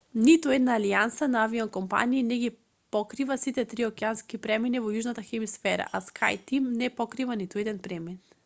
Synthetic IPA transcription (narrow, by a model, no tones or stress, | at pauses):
nit̪uɛd̪naːliansanaaviɔnkɔmpa̰niːnɛɡi | pɔkɾivasit̪ɛt̪ɾiɔkɛanskipɾɛmɛnivɔjuʒnat̪axɛmisfɛɾa̰ʔaskʰa̰jt̪imnɛpɔkɾivanit̪uɛd̪ɛnpɾɛmɛn